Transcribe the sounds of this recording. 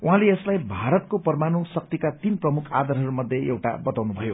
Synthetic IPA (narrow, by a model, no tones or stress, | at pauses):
uɦãleːslajbʱaɾʌt̪̚kopʌrmanosʌk̚t̪ikat̪inprʌmukʰa̰d̪ʌɾɦʌɾumʌd̪ʱjeʔewʈa̰bʌt̪awnubʱʌjo